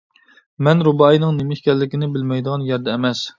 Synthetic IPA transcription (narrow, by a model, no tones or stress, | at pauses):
mɛnɾubɑjinɨŋnemɪʃʲkʲɛlːɪkʲinɪbɪlmɛjd̪əʁɑnjɛɾd̪ɛːmɛs